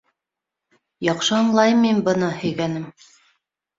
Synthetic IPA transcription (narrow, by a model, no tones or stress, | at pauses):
jɑqʃɤɑɴlˠɑjmimbɤ̆nɤhɵ̆jɡænɘm